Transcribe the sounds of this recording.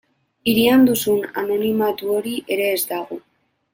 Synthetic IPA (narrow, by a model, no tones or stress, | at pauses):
iɾiand̪usuna̰no̞nimat̪uo̞ɾiʔe̞ɾe̞ːzd̪aɣ̞o